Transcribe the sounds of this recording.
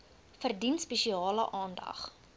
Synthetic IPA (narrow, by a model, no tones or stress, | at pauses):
fərdinspɛʃiɑːləʔɑːndɐ̰χ